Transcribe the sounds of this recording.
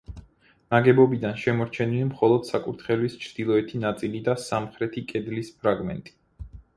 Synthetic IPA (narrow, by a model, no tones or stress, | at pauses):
naɡɛbɔbid̪anʃɛmɔɾt͡ʃʰɛnilimχɔlˠɔd̪̥sakʼuɾt̪ʰχɛlwist͡ʃʰɾd̪̥ilˠɔɛt̪ʰinat̪sʼilid̪asamχɾɛt̪ʰikʼɛd̪lispʰɾaɡmɛ̰nt̪ʼi̥